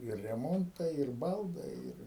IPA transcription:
ɪr rʲɛˈmoːntɐɪ ɪr ˈbɐlˠdɐɪ ˈɪr

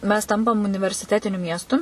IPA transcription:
mʲɛs ˈtɐmpɐm ʊnʲɪʋʲɛrʲsʲɪˈtʲæːtʲɪnʲʊ ˈmʲiɛstʊ

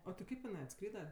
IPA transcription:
oː tʲɪ ˈkɐɪp ɪˈnɐɪ ɐtˈskrʲiːdɐ

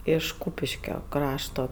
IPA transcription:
ɪʃ ˈkuːpʲɪʃʲkʲoː ˈkrɑːʃtoː

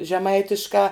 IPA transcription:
ʒʲɛˈmɐɪtʲɪʃkɑː

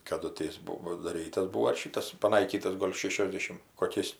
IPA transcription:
kɐˈdʊ tʲɪ ˈjɪs ˈbuɔ pɐdɐˈrʲiːtɐs ˈbuːoː ɐr ˈʃʲiːtɐs pɐˈnɐɪkʲiːtɐs ˈɡoːlʲ ˈʃʲeːʃʲoːzʲdʲɛʃʲɪm koːˈkʲɛɪs

